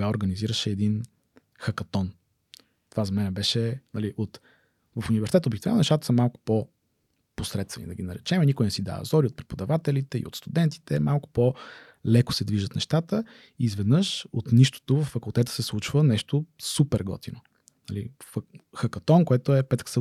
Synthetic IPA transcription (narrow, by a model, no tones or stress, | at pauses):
aoɾɡəniziɾəʃɛːd̪in | xɐkɐt̪ɔn | t̪ovazɐmɛnɛbɛʃɛnɐliʔot̪ | vəfunivɛɾsit̪ɛt̪obik̪t̪vɛlnnɛʃt̪at̪ə̥səmːalˠkʊ̥po | posɾɛt̪st̪vɛnid̪ɐɡʲinɐɾɛt͡ʃɛmɛnikʊjnɛsid̪a̰vɐ̰zɔɾiot̪̚pɾɛpod̪ɐvat̪ɛlit̪ɛḭo̰t̪st̪ud̪ɛnt̪i̥t̪ɛmalˠkʊ̥po | lɛkʊ̥sɛd̪viʒət̪nɛ̰ʃt̪at̪ə | izvɛd̪nɤʃot̪niʃt̪o̥t̪ovəfːɐkulˠt̪ɛt̪ə̥sɛslˠut͡ʃvənɛʃt̪osupɛɾɡɔ̰t̪ino | nɐli | fxɐkɐt̪ɔnkoɛt̪oɛpɛt̪ksɛ